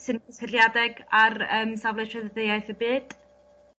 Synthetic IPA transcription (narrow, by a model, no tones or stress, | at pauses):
sɨnʰəsɪlˠjadɛɡarəːmsavlˠɛtʰəðəðejajθəbɨːd̥